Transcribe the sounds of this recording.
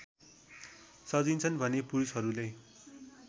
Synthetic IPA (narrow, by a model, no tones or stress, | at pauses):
sʌd͡zint͡sʰʌnbʱʌnepuɾusɦʌɾulaj